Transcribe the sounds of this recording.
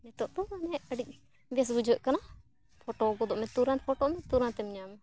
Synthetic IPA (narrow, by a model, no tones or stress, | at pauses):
mɛt̪ɔʔd̪ɔanɛəɖic̚ | bɛs̬bud͡ʒʱɔʔ̚kana | pʰɔʈɔɡɔd̪ɔʔmɛt̪uɾãnpʰɔʈɔʔmɛt̪uɾãnt̪ɛmiɲam